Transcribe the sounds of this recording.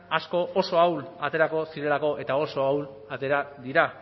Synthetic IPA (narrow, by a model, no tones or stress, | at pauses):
asko̞ʔoso̞awlat̪e̞ɾako̞siɾe̞lako̞ʔe̞t̪ao̞so̞awl | at̪e̞ɾad̪iɾa